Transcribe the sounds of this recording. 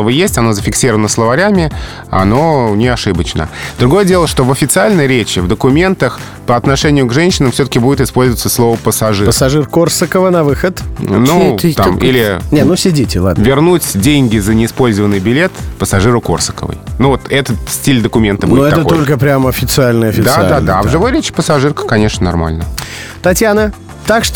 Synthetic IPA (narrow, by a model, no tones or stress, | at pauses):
vəjesʲtʲɐnozəfʲɪksʲiɾəvənəslˠəvaɾʲæmʲɪ | a̰no̞nʲɪɐʂɨbət͡ɕnə̰d̪ɾʊɡo̞jədʲe̞lˠəʂt̪o̞vəfʲɪt̪sɨalʲnəjɾʲet͡ɕɪvd̪əkʊmʲe̞nt̪əx | pəɐt̪nɐʂɛnʲɪjʊɡʐɛnʲɕɪnəmfsʲot̪ə̥kʲɪbudʲɪt̪ɪspo̞lʲzəvət̪səslˠo̞vəpəsɐʐɨpəsɐʐɨrkorsəkəvənɐvɨxət̪nut̪amḭlʲɪnʲenusʲɪdʲitʲɪlˠa̰d̪nvʲɪrnutʲdʲenʲɡʲɪzənʲɪɪspo̞lʲzəvənːɨjbʲɪlʲet̪pəsɐʐɨɾʊko̞̰rsə̥kə̰və̰jnuvo̞t̪ɛt̪ət̪sʲtʲilʲd̪əkʊmʲe̞nt̪əbud̪noɪɛat̪əoolʲkəpɾʲamɐfʲɪt̪sɨalʲnəjɐfʲɪd̪ad̪ad̪avʐɨvo̞jɾʲet͡ɕɪ̥pəsɐʐɨrkə̥kɐnʲe̞ʂnənɐ̰rma̰lʲnə | t̪ɐtʲjanə | t̪akʂ